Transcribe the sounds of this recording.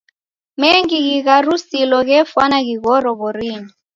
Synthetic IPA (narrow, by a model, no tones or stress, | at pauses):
meŋɡiɣiɣarusilɔɣ̬ɛfanaɣiɣɔɾɔβɔriːni